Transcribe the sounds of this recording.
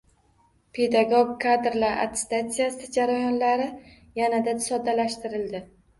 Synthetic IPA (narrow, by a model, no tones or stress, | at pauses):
pʰe̞d̪aɡoɡkʰːad̪ɾlaɾa̰t̪ʰɪ̥st̪at̪sijasɪd͡ʒaɾajɒnlaɾɪ | janad̪asɒd̪alaʃt̪ɪɾɪld̪ɪ